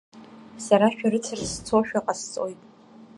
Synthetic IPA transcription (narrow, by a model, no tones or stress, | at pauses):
saɾaʃᶣaɾɨt͡sʰɨrst͡sʰoʃᶣaqʼast͡sʼojtʼ